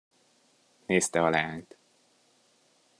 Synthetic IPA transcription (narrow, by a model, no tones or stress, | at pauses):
neːst̪ɛɒlaːɲt̪